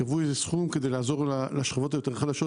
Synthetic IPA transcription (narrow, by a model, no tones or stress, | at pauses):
vuzesχumkəd̪elazɔʁlalaʃχavɔt̪ajot̪ɛʁχadaʃɔ